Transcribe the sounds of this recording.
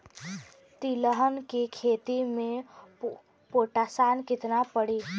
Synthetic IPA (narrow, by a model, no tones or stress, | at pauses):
t̪iləɦənkekʰet̪ime | poʈasankit̪napəɽi